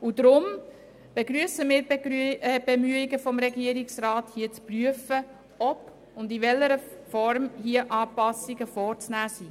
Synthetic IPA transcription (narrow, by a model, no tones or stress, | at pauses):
ud̪ɾʊm | b̥eɡɾyəsəmɪːɾ | b̥emyəiɡəfɔmɾɛɡiəɾiksrɑːthiət͡spryəfə | ɔp | ʊndiʋɛləɾəfɔɾmhiəʔɑːpɑsiɡəfɔːɾt͡snæːsi